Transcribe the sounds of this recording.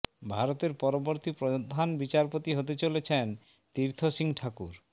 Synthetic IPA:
bʱaɾot̪eɾpɔɾoboɾt̪ipɾod̪ʱanbit͡ɕaɾpot̪iɦot̪et͡ɕolet͡ɕʰen | t̪iɾt̪ʰoʃiŋʈʰakuɾ

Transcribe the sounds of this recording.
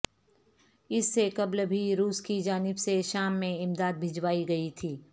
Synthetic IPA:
ɪsːekɐblbʱiɾuːskid͡ʒaːnɪbseʃaːmːẽɪmd̪aːd̪̚bʱɪd͡ʒʋaːiɡɐit̪ʰiː

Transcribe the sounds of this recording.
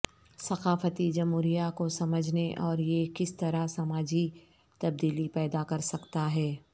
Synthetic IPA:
sɐqaːfət̪id͡ʒɐmɦuːɾijakosɐməd͡ʒʱneʔɔːɾjekɪst̪ɐɾasɐmaːd͡ʒi | t̪ɐb̚d̪iːlipɛːd̪akɐɾsɐkt̪aɦɛː

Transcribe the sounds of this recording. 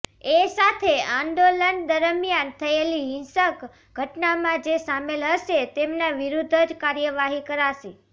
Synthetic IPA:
esat̪ʰeãnd̪olənd̪əɾəmjant̪ʰəeliɦɪ̃nsək | ɡʱəʈnamãd͡ʒesamelɦəʃet̪emnaʋiɾud̪ʱəd͡ʒkaɾjəʋaɦikəɾaʃe

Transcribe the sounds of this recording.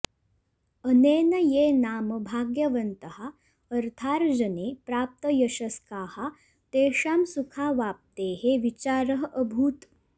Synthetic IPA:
əneːnɐjeːnaːmɐbʱaːɡjɐʋɐnt̪ɐha | əɾt̪ʰaːɾd͡ʒɐneːpɾaːp̚t̪əjɐʃɐskaːha | t̪eːʂaːmsukʰaːʋaːp̚t̪eːɦeʋit͡ʃaːɾɐɦɐʔəbʱuːt̪

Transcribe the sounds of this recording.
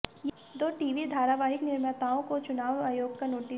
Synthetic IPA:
j | d̪oːʈiːʋid̪ʱaːɾaʋaːɦɪknɪɾmət̪aːõkot͡ʃʊnaːʋaːjoːɡ̚kanoːʈi

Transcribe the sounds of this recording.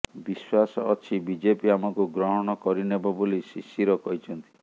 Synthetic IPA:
biswasɔːt͡ʃʰibid͡ʒepiamɔkuɡɾɔɦɔɽ̃ɔkɔɾinebɔbolisisiɾɔkɔɦit͡ʃʰɔnt̪i̥

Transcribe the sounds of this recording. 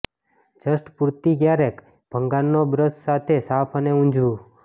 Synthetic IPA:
d͡ʒəsʈpuɾt̪iɡjaɾek | b̥ʱəŋɡannobɾəssat̪ʰesapʰəneũd͡ʒʱʋũ

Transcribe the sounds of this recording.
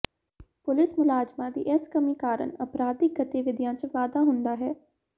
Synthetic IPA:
pʊlɪsmʊlaːd͡ʒmãːd̪ḭːʔɪskəmiːkaːɾə̰nəpɾaːd̪iɡət̪ɪʋɪd̪jãːt͡ʃʋaːd̪aːɦʊnd̪aːɦɛː

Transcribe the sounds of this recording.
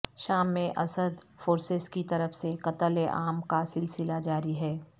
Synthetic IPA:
ʃaːmːẽʔɐsəd̪foːɾsɪzkit̪ɐɾəfsekɐt̪əleʔaːmkasɪlsɪlad͡ʒaːɾiɦɛː

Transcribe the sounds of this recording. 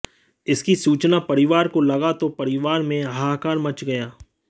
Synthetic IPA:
ɪskisuːt͡ʃnapɐɾɪʋaːɾkolɐɡat̪opɐɾɪʋaːɾmẽɦaːkaːɾmɐt͡ʃɡɐjaː

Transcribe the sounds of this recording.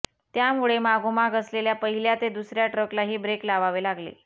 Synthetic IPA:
t̪jamuɭemaɡomaɡəsleljapəɦiljat̪ed̪usɾjaʈɾəklaɦiːbɾeklaʋaʋelaɡlḛ

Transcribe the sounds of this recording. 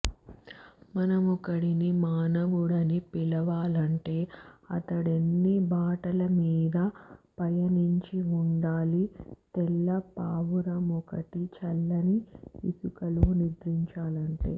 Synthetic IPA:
mɐnɐmɔkɐɽinimaːnɐʋuɽɐnipilɐʋaːlɐɳʈe̞ːɐ̰t̪ɐɽenːibʱaːʈɐlɐmiːd̪ɐpɐjɐniɲt͡ʃiuɳɖaːlit̪ɛlːɐpaːʋuɾɐmɔkɐʈit͡ʃɐlːɐniisukɐlunid̪ɾiɲt͡ʃaːlɐɳʈḛː

